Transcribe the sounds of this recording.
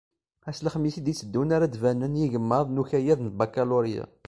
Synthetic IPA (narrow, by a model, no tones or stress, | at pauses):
æsləχmisid̪it͡sːəd̪ːunaɾæd̪vænənjiʝəmːəðˤnuçæjæðnt̪̚bakaluɾija̰